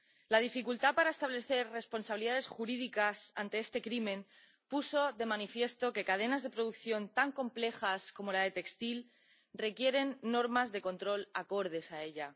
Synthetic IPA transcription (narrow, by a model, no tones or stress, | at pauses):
lað̞ifikult̪apaɾaest̪aβle̞θe̞ɾre̞spo̞nsaβiliðaðe̞sxuɾiðikasant̪e̞est̪e̞kɾimẽ̞n | puso̞ðe̞manifje̞st̪o̞ke̞kað̞e̞nazðe̞pɾo̞ðuk̚θjo̞nt̪aŋko̞mple̞xasko̞mo̞laðe̞t̪e̞kst̪il | re̞kje̞ɾe̞nːo̞ɾmazðe̞ko̞nt̪ɾo̞lako̞ɾð̞e̞sae̞ʎa